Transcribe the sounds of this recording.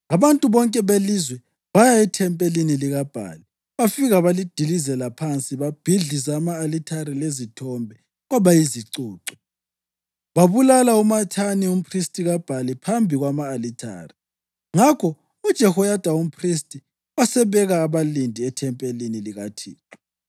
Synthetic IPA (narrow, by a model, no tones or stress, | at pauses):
aβantʼuβɔŋkʼɛβelizwɛ | βajaɛtʰɛmpʼeliniliɣab̥ʱa̰ːli | βafiɣaβalid̥ʱilizɛlapʰant͡sʼiβab̥ʱiɮis̬aːmaːlitʰaɾilezitʰɔmbʱɛ | ɣaβajiziǀuːǀɔ | βaβulalaumatʰanium̩pʰristʼiɣab̥ʱalipʰambʱiɣwamaːlitʰa̰ːri | ŋakʰɔ | ud̥ʒ̥ʱɛhɔjad̥ʱaum̩pʰristʼi | wasɛβɛɣaːβalindʱiɛtʰɛmpʼeliniliɣatʰiːǁɔ̥